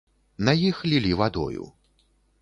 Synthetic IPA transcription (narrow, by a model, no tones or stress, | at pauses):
nɐjixlʲilʲivad̪ɔ̰jṵ